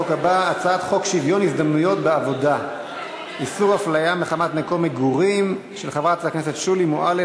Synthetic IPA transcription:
okabaːt͡saat̪χo̞kʃivjonisd̪amnujo̞tbeavo̞da | isuʁhaflajameχamatmeko̞meɡuʁim | ʃelχavʁat͡sakne̞setʃulimoʔale

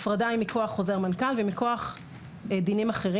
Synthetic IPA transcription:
fʁad̪aimiko̞aχːo̞zeʁmankalvemiko̞aχ | d̪inimaχeʁi

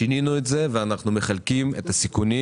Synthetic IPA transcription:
ininuetze̞veanaχnume̞χalkimetasikuni

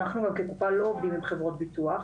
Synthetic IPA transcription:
naχnuɡamkekupalo̞ovd̪imimχevʁot̪̚bit̪uaχ

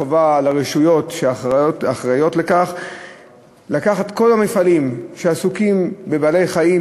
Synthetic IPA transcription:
ovalaʁeʃujo̞t̪ʃeaotaχʁajo̞t̪le̞kaχ | lakaχat̪ko̞lamefalimʃeasukimbebaːle̞jχai

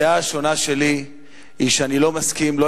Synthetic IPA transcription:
aʃo̞naʃe̞li | iʃeanilo̞maskimlo

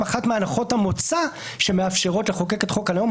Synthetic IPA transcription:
aχatmeanaχo̞thamot͡sa | ʃe̞meafʃe̞ʁo̞tleχo̞keke̞t̪χo̞khaljo̞m

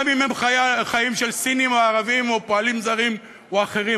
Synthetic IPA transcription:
mimemχajaχajimʃelsinimeːʁavimopoalimzaʁim | eaχe̞ʁi

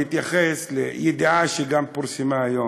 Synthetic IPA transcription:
it̪jaxɛslejed̪ʕaʃeɡampuɾsimaːjo

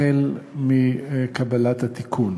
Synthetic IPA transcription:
elmikabalat̪hat̪ikʰun

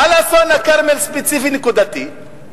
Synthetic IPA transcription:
alasonakaɾmelspet͡sifinekud̪at̪i

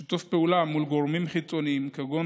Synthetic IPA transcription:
it̪ofpɛʔulamulɡoɾmimχit͡sʼːoniimkʰɐɡo

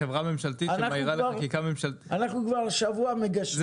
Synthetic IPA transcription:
evʁame̞mʃalt̪itamaiʁaleʁkikame̞mʃaltianaχnukvaʁʃavuameɡaʃ

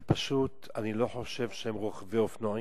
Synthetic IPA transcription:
paʃut | anilo̞ħo̞ʃe̞vʃehemʁoχveofno

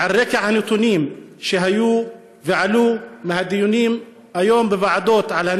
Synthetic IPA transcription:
ʕarːɪkaʕhanit̪ˤuniːmʃɪɦajuː | vɪʕaluːmahad̪ɪjuniːm | ʔajoːmbɪbaʕad̪oːt̪ʕalhan

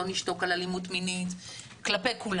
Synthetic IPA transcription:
oniʃto̞kalalimutminit | klapejkul

